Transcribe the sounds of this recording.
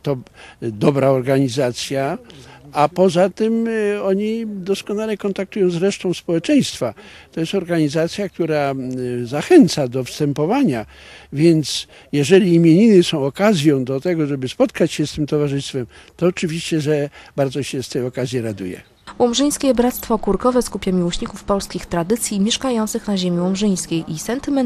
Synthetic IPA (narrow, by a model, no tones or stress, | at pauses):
t̪ɔd̪ɔbɾaɔɾɡaɲizat̪sʲja | apɔzat̪ɪmɔɲid̪ɔskɔnalɛkɔnt̪ak̚t̪ujɔ̃w̃zɾɛʂt̪ɔ̃w̃spɔwɛt͡ʂɛj̃st̪fa | t̪ɔjɛst̪ɔɾɡaɲizat̪sʲjak̚t̪uɾazaxɛnt̪sad̪ɔfst̪ɛmpɔvaɲa | vʲjɛnt̪s | jɛʐɛlʲiːmʲjeɲinɘsɔ̃w̃ɔkazʲjɔ̃w̃d̪ɔt̪ɛɡɔʐɛbɘspɔt̪kat͡ɕɕɛst̪ɘmt̪ɔvaʐɘst̪fɛm | t̪ɔːt͡ʂɘvʲiɕt͡ɕɛʐɛbaɾd̪zɔɕɛst̪ɛɔkazʲjiɾad̪ṵjɛ̰ | wɔmʐɘj̃skʲɛbɾat̪st̪fɔkuɾkɔvɛskupʲjamʲiwɔɕɲikufpɔlskʲixt̪ɾad̪ɘt̪sʲjimʲjɛʂkajɔnt̪sɘxnaʑemʲiwɔmʐɘj̃skʲejʔisɛnt̪ɘmɛ